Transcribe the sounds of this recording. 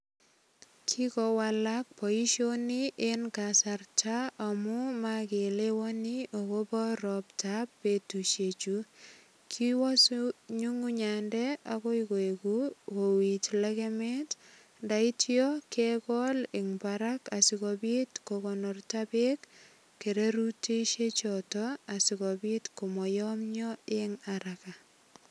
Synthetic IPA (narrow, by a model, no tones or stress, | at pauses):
kʰikɔwalak̚pɔiʃjoniʔenkasartʰaamumakelewɔniʔokobɔɾɔptapːetuʃet͡ʃu | kʰiwɔsɲuŋuɲandɛakɔikoekuwowitlɛkɛmɛt | ndaitjɔkekɔlɪŋbaɾakasikɔbitkokɔnɔrtabek | kːeɾeɾuteʃet͡ʃɔtɔasikɔbitkomɔjɔmɲɔeŋaɾaka